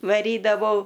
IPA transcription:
ʋɐˈrʲiːdɐʋɐʊ

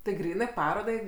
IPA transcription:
tʲɪ ˈɡrʲiːnɜ ˈpɑːroːdɐɪ

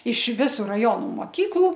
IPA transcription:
ɪʃ ˈʋʲɪsʊ rɐˈjoːnʊ moːˈkʲiːklˠʊ

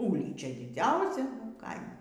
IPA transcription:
ˈuːlʲiːt͡ʃʲɛ dʲɪˈd͡zʲɛʊsʲɛ ˈkɐɪmoː

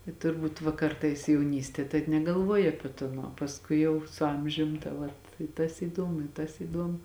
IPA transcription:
ɪ tʊrˈbuːt ʋɐ ˈkɐrtɐɪs jɛʊˈnʲiːsʲtʲiɛ ˈtɐɪp nʲɛɡɐˈlˠʋuɔjɪ ˈɑːpʲiɛ ˈtoːn uɔ pɐsˈkʊɪ jɛʊ sʊ ˈɐmʲʒʲʊm tɐ ˈʋɐt ɪ tɐs iːˈdoːmʊ ɪ tɐs iːˈdoːmʊ

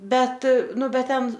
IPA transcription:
ˈbʲɛt ˈnʊ ˈbʲɛt ˈtʲɛn

